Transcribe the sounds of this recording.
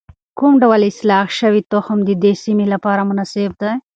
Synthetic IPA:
kumɖawəlɪslɑxʃəwit̪oxmd̪əd̪esimilapɑɾamʊnɑseb̚d̪a

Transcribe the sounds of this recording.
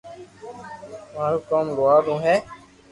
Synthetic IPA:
maːɾuːkaːmɡʊaːɾũːɦɛː

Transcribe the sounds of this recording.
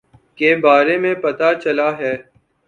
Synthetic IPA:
keːbaːɾemẽpɐt̪at͡ʃɐlaɦɛː

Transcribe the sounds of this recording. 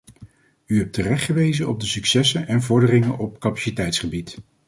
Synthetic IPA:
yɦɛp̚tərɛχtχəʋejzənɔb̚dəsyksɛsənɛnvɔɹdərɪŋənʔɔp̚kapḁsitɛjtsχəbit

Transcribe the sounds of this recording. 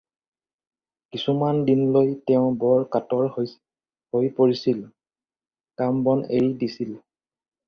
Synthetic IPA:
kisumandinlojtɛʊ̃bɔɹkatɔɹhj | hojpoɹisil | kambɔneɹidisil

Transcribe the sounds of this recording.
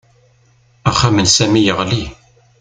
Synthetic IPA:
æχæmənsæmijəʁli

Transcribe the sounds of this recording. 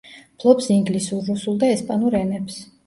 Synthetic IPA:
pʰlˠɔpsiŋɡlisuɾːusulˠd̪aɛspʼanuɾɛnɛps

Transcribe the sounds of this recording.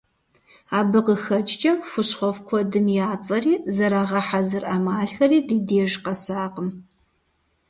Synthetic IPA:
aːbɨqəxɐt͡ʃʼt͡ʃʼɐmxʷʊɕχʷɔfkʷʰɔdɨmjaːt͡sʼɐɾiːzɐɾaːʁɐħazɨrʔamaːɬxɐriːdiːdeːʒqɐsaːqəm

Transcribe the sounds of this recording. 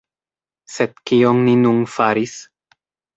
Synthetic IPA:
sed̪̚kionninunfaɾis

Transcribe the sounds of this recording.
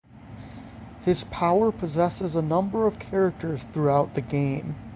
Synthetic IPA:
hɨz̥pʰaʊə˞pʰɨzɛsɨzənʌ̃mbə˞ʌv̥kʰɛɹɨk̚tʰə˞z̥θɹuaʊt̪̚ðɨɡẽɪ̃m

